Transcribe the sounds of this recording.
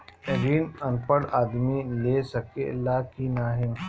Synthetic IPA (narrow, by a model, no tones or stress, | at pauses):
eɾiːnɐnpəɽaːd̪mileːsɐkḛlaːkinaːɦɪm